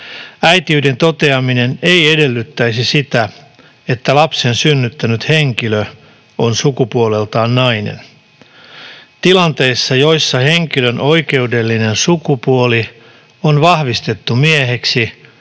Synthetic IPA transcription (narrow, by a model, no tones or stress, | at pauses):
æjt̪iyːde̞nt̪o̞t̪e̞ɑmine̞ne̞je̞de̞lːyt̪ːæjsisit̪æ | e̞t̪ːælɑpsensynːyt̪ːænyt̪heŋkilø | onsukupuole̞lt̪ɑːnnɑinḛn | t̪ilɑnt̪e̞ːsːɑjo̞isːɑhe̞ŋkilønʔo̞jk̟e̞ude̞lːine̞nsukupuoli | onʋɑhʋist̪e̞t̪ːumieɦeksi